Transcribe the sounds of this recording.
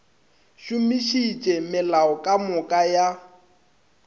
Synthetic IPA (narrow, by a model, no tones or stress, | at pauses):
ʃumiʃit͡ʃʼɛmɪlaɔkʼamʊkʼaja